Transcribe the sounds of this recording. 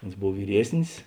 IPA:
ˈoːns ˈboːw ʋʲiːˈrʲiɛsʲnʲɪs

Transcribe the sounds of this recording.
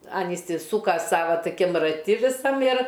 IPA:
ˈɐn ɪsʲɪˈsuːkɐ ˈsɑːʋɐ toːˈkʲɪm rɐˈtʲɪ ʋʲɪˈsɐm ɪr

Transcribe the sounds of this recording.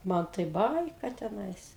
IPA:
ˈmɐn tɐɪ ˈbɐɪkɐ tʲɛˈnɐɪs

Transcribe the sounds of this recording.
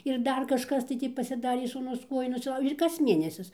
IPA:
ɪr ˈdɐr kɐʃˈkɐs tɐɪ ˈtʲiː pɐsʲɪˈdɑːrʲeː suːˈnʊs ˈkuɔjʊ nʊsʲɪˈlˠɐʊʒʲeː ɪr kɐs ˈmʲeːnʲɛsʲɪs

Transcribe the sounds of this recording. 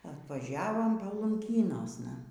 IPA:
ɐtʋɐˈʒʲæːʋoːm pɐlˠʊŋʲˈkʲiːnoːsnɐ

